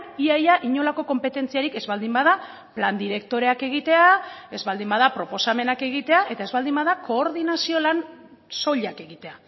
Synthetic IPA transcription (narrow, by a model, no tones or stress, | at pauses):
iajaʔiɲo̞lako̞ko̞mpe̞t̪e̞nt͡siaɾike̞zβald̪imbaða | pland̪iɾe̞k̚t̪o̞ɾe̞ake̞ɣ̞it̪e̞ae̞zβald̪imbaðapɾo̞po̞same̞nake̞ɣ̞it̪e̞aʔe̞t̪ae̞zβald̪imbaðako̞ːɾðinasio̞lan | so̞ʎake̞ɣit̪e̞a